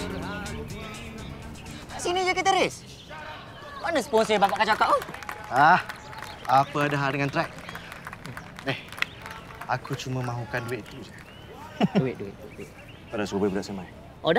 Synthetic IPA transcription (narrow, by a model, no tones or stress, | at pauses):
aʔsinid͡ʒakət̪̬əɾes | maʔnəsə̥pɔnsəbabaʔkat͡ʃakaʔoah | apəadaɦaldəŋant̪ɾɛk̚ | ɛh | akʰut͡ʃuməmãɦukanduɪʔ̚t̪ud͡ʒə | duɪʔ̚duɪ̰ʔ̚duɪʔduɪʔ | padasobabudaʔsəmaj | ʔoda